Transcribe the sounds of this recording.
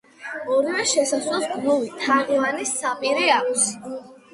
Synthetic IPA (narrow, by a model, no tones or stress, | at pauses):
ɔɾivɛʃɛsaswɛsɡvulit̪ʰaʁivanisapʼiɾɛakʷʰʼs